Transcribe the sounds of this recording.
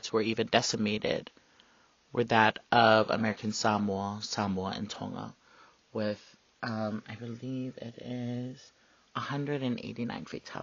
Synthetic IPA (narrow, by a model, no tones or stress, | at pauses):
tswə˞ivɨ̃ndɛsɨmeɪɾɪ̰d̥ | wə˞ðəɾʔʌvə̰mɛɹɨkʰɨ̃nsɑmɔsɑmwəɨ̰̃ntʰɔ̰̃ŋə̰ | wɪð̥ | ʔʌ̃maɪbɨlivɪ̰ɾɪz̥ | əhʌ̃ndɹɨɾɨ̃nʔḛɪɾinã̰ɪ̃nfḭtʰa